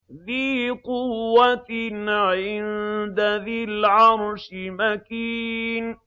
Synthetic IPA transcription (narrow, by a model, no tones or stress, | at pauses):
ðiːqʊwːat̪nʕɪnd̪aðɪlʕɑɾˤʃɪmakiːn